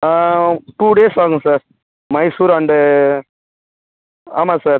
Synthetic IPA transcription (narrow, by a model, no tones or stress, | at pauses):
aʈuːɖeːsaːŋɡsaːɾ | mɐɪsuːɾaɳɖɯ | aːmaːsaːɾ